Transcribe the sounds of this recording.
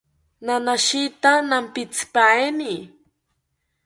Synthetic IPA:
nanaʃit̪anampit͡spaeni

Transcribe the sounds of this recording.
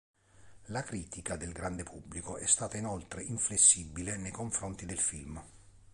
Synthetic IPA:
lakɾiːt̪ikad̪elɡɾand̪epʰubːlikoɛst̪aːt̪ainɔlt̪ɾeʔiɱflesːibːilenejkoɱfɾont̪id̪elfilm

